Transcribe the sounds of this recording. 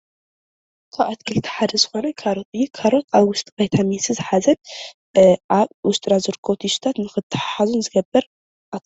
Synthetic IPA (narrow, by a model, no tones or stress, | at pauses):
kʰaβʔat̪kʰɨlt̪ʰi̥ħad̪ɐzɨxo̞nɐkʰaɾɨt̪ʼɨjːukʰaɾoaβwʊst̪ʼkʼɐjt̪ʰamesɨzɨħazɐn | ʔaβʊst̪ʼɨɾazɨɾɨkʰoβt̪ʰisu̥t̪ʰat̪nɨxɨt̪ʰːɨ̥ħaħazunzɨɡɐbːɨɾ | ʔa